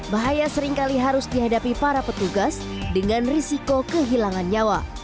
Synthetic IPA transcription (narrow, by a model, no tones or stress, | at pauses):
baɦajasəɾiŋkaliɦaɾʊsdiɦadapipaɾapət̪uɡas | dəŋanrisikokəɦilaŋand͡ʒawa